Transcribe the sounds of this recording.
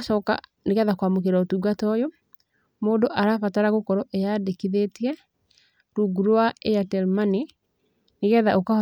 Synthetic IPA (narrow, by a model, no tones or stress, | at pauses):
ʃɔːka̰ | neɣɛðakwamok̬eɾaotuɡatɔjo | moːdoʔaɾafataɾaɣokɔɾɔʔejadekiðetiɛ | ɾuɡuɾwaejatɛlmani | neɣɛːðaʔoka